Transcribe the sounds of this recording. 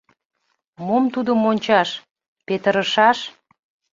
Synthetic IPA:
momt̪ud̪əmonʲt͡ɕɑʃ | pet̪əɾəʃɑʃ

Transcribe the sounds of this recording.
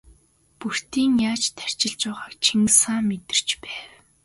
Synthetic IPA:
pur̥t̪iːŋjaːt͡ɕt̪ʰær̥ʲt͡ɕɪ̆ɮt͡ɕaːʁaːkt͡ɕʰiŋsaːmet̪ɪ̆r̥t͡ɕpæːw

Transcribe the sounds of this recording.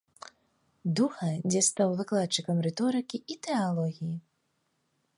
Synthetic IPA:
d̪uxɐd͡zʲɛst̪awvɨklˠat̪̚t͡ʂːɨkɐmɾɛt̪ɔɾɨkʲiit̪ɛalˠɔɣʲiji

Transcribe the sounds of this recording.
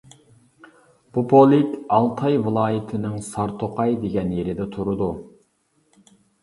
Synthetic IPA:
b̥upʰolˠɪkʲɑlˠt̪ʰɑjvɨlˠɑːjɪt̪ʰɪnɪŋsɑɾt̪ʰoqʰɑjd̪eɡʲɛnjeɾɪd̪ɛt̪ʰuɾʊd̪u

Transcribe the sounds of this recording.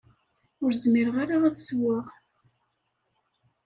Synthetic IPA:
ʊɾzmiɾəʁaɾaæðswaʁ

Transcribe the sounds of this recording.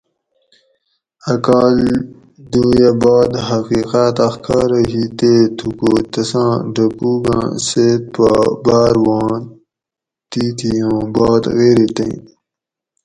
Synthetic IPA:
ɐkaːl | d̪ujabɑːd̪ɦɐqiːqat̪ɐxkʰaːɾəɦiːt̪et̪ʰukot̪ɐsãːɖɐkuːɡã̰ːseːt̪̚pabaːɾwɑ̃ː | t̪iːt̪ʰijõːbɑːt̪ɣeːɾit̪ɐ̰̃ĩ

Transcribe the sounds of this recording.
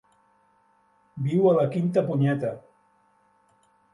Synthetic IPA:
biwələkint̪əpuɲɛt̪ə

